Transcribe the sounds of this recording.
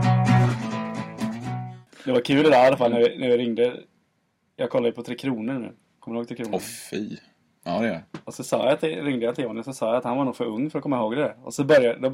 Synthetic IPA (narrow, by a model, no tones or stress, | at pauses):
d̪ɛvaɾkʰʉ̟ːlɪd̪ɛalːafalnæɾvɪnæɾjɪɾɪŋd̪ə | jɑːɡ̚kʰɔlːad̪əpʰɔt̪ʰɾeːkʰɾuːnəɾɳʉ̰ː | kʰɔmːɾhoːɡt̪ʰɾeːkʰɾuːnfiː | ɑd̪ɛɔsɔsɑ̰ːjat̪ʰɪɾɪŋd̪əjant̪ɪoːnɪsɔsɑːjaat̪hanvaɾɳuːfœɾɵŋːfœɾɔkʰɔmːaɪhoːɡd̪ɛd̪æɾɔ̰sɔbœɾjad̪ɔ